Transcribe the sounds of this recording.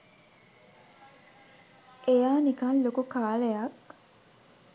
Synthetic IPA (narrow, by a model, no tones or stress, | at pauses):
ʔejaːnikɐnlokukaːlejɐk